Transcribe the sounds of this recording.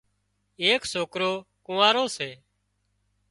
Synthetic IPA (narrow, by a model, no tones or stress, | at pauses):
eːksoːkɾoːkʊ̃ːaːɾoːseː